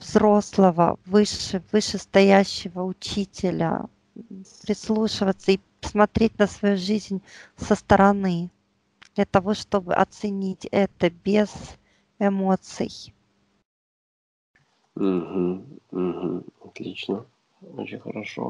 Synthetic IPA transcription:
vzɾo̞slˠəvə̰vɨʂɨvɨʂɨst̪ɐjæɕːɪvəʊt͡ɕitʲɪlʲə̰ | pɾʲɪslˠuʂɨvət̪səi | smɐt̪ɾʲet̚ʲnəsvɐjuʐɨzʲnʲsəst̪əɾɐnɨ | d̪̥lʲət̪ɐvo̞ʂt̪o̞bɨ̰ʔɐ̰t̪sɨnʲitʲɛt̪əbʲɪz̥ | ɪmo̞t̪sɨ̰j | m̩ɦm̩m̩ɦm̩ɐt̪lʲit͡ɕnə | o̰t͡ɕɪnʲxə̰ɾɐʂo̰

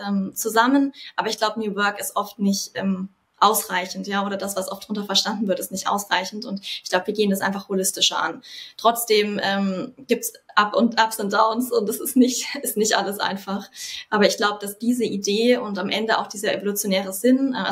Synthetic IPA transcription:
ʔɛːmt͡suzamənʔaːbɐɪçɡ̥laʊbənjuːvœɐkɪstʔɔftnɪçtʔɛ̰ːm | ʔaʊsʁ̥aɪçn̩tjaːʔoːɾɐd̥asv̥asʔɔftd̥ʁʊntɐfɛɐʃtandn̩vɪɐtɪstnɪçtʔa̰ʊsʁ̥aɪçn̩tʊntɪçɡ̥laʊbəviːɐɡeːəndas̬ʔaɪnfaχholɪstɪʃɐ̰ʔa̰ntʁ̥ɔt͡sd̥eːmʔɛːmɡ̥iːp̚tsʔapʊntʔapsɛnd̥aʊnsʊntɛsɪstnɪçtɪstnɪçtʔa̰ləsʔa̰ɪnfaχʔaːbɐɪçɡ̥laʊbəd̥asd̥iːzəʔideːʊntamʔɛndəa̰ʊχd̥iːzɐʔḛvolut͡sjonɛːʁ̞əzɪnʔɛ̰

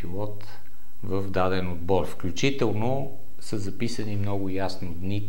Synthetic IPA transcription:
pilˠɔt̪ | vəvd̪ad̪ɛnod̪bɔɾfklʲut͡ʃit̪ɛlˠno | səzɐpisənimnɔɡʊjasnod̪ni

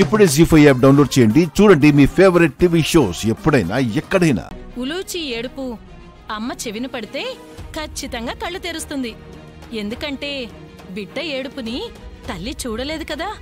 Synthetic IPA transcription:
ipːuɽeːsipʰɐjɛːp̚ɖɐwnloːɖt͡ʃɛːjɐɳɖit͡ʃuːɽɐɳɖimiːpʰeːʋɐɾiʈ̚ʈiʋiʂoːsepːuɽɐjna̰ːɛkːɐɽɐjna̰ːuluːt͡ʃieːɽupu | ɐmːɐt͡ʃeʋinipɐɽit̪e̞ː | kʰɐt͡ʃːit̪ɐŋɡaːkɐɭːut̪eːɾust̪und̪i | end̪ukɐɳʈe̞ː | biɖːɐeːɽupunit̪ɐlːit͡ʃuːɽɐle̞ːd̪ukɐd̪aː

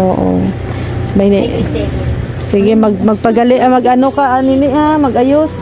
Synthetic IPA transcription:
oːʔo̰ | majnɪ̰ | siɡɪmaɡ̚maɡ̚paɡalɪʔamaɡʔanokaʔaninɪʔhamaɡajos

